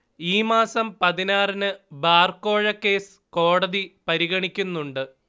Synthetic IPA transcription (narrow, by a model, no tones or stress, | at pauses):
iːmaːsɐmpɐðinaːrɐnɨbaːrko̞ːɻɐkːe̞ːsɨ̥ko̞ːɽɐðipɐɾiɣɐɳikʲːunːuɳɖɨ